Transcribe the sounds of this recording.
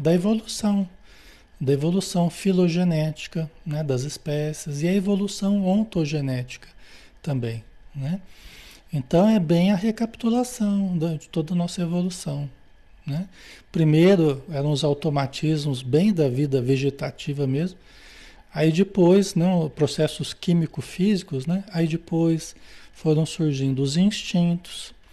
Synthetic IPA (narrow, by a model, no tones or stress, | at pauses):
d̪ɐevolusɐ̃w̃ | d̪ɐevolusɐ̃w̃filoʒenɛt͡ʃi̥kɐnɛd̪ɐzɪspɛsɪzɪɐevolusɐ̃w̃õt̪oʒenɛt͡ʃi̥kɐ̥ | t̪ɐ̃mbẽj̃nɛ | ẽt̪ɐ̃w̃ɛbẽj̃ɐɦekapt̪ulasɐ̃w̃d̪ɐd͡ʒɪt̪od̪ɐnɔsɐevolusɐ̃w̃ | nɛpɾimejɾʊɛɾɐ̃w̃ʊzawt̪omat͡ʃizmʊzbẽj̃d̪ɐvid̪ɐveʒet̪at͡ʃivɐmezmʊ | aid͡ʒɪpojsnɛpɾosɛsʊskĩmikʊfizikʊznɛaid͡ʒɪpojsfoɾɐ̃w̃suɾʒĩnd̪ʊʊzĩst͡ʃĩnt̪ʊ̥s